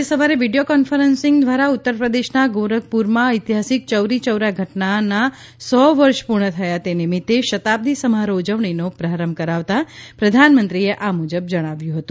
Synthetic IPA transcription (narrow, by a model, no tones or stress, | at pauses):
esəʋaɾeʋiɖijokɔnfəɾənsɪŋɡd̪ʋaɾaut̪ːəɾpɾəd̪eʃnaɡoɾəɡ̚puɾmãəjt̪iɦasɪk̚t͡ʃəwɾit͡ʃəwɾaɡʱəʈnana | sɔʋəɾʃpuɾɳ̃ət̪ʰəjat̪enimit̪ːeʃət̪ab̚d̪isəmaɾod͡ʒəʋɳinopɾaɾəmkəɾaʋt̪apɾəd̪ʱanmənt̪ɾieʔamud͡ʒəb̚d͡ʒəɽ̃aʋjũɦət̪ũ